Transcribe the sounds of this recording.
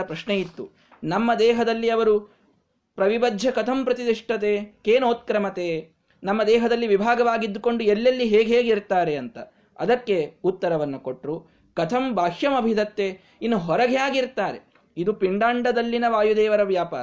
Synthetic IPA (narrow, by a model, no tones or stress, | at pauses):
ɐpɾɐʂnejit̪ːu | nɐmːɐd̪ɛːɦɐd̪ɐlːiɐʋɐɾu | pɾɐʋibɐd̪ʱjɐkɐt̪ʰɐmpɾɐt̪id̪iʂʈɐt̪eːkeːnoːt̪̚kɾɐmɐt̪eː | nɐmːɐd̪ɛːɦɐd̪ɐlːiʋibʱaːɡɐʋaːɡid̪ːuko̞ɳɖuelːɐlːiɦeːɡɦeːɡiɾt̪aːɾe̞ɐnt̪ɐ | ɐd̪ɐkːe̞ut̪ːɐɾɐʋɐnːuko̞ʈɾu | kɐt̪ʰɐmbʱaːʃjɐmɐbʱid̪ʱɐt̪ːeː | inːuɦɔɾɐɡjaːɡiɾt̪aːɾe | id̪upiɳɖaːɳɖɐd̪ɐlːinɐʋaːjud̪ɛːʋɐɾɐʋjaːpaːɾɐ